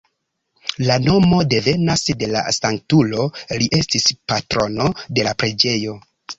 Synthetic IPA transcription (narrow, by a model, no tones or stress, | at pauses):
lano̞mo̞de̞ve̞nasde̞la̰saŋk̚tulo̞liʔe̞stispatɾo̞no̞de̞lapɾe̞d͡ʒe̞jo̞